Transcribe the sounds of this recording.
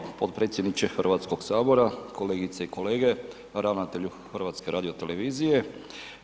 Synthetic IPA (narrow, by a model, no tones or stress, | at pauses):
pod̪̚pɾe̞ːt̪sjed̪nit͡ʃexr̩ʋaːt̪sko̞ɡsaːbo̞ɾakʰo̞le̞ːɡit̪seiko̞le̞ːɡe̞ | ɾaʋnat̪eʎu | xrʋaːt̪ske̞ɾʔaːd̪io̞t̪ele̞ʋiːzije̞